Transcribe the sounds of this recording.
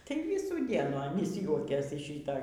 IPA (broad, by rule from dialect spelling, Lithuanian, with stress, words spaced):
tɐɪ ˈʋʲiːsuː ˈdʲiɛnuː ɐˈnʲiːs ˈjuɔkʲeːs ɪʃ ˈʃʲiːtoː